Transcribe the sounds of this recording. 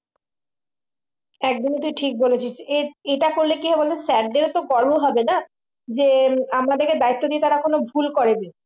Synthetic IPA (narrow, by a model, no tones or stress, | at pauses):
ɛk̚d̪int̪uiʈʰik̚bolet͡ɕʰit͡ɕʰeeʈakoɾlekiɦɔbolesɛʈ̚d̪eɾot̪oɡɔɾbʱoɦɔbena | d͡ʑeamad̪eɾked̪ait̪ːod̪iet̪aɾakonobʱulkoɾebi